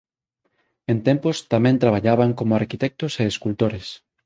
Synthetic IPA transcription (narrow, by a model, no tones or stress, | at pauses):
ẽnt̪ɛmpost̪amɛ̃nt̪ɾaβ̞aʎaβaŋkomoaɾkit̪ɛk̚t̪oseːskult̪oɾes